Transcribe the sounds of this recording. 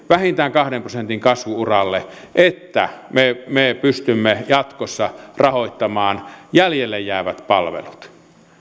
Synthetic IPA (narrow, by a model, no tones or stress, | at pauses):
ʋæhint̪æːŋkɑhɾemprosent̪iŋkɑsʋuurɑlːe | ʔet̪ːæ̰memepyst̪ymːejɑt̪kosːɑrɑhoit̪ːɑmɑːnjæljelːejjæˑːʋæt̪pɑlʋḛlut̪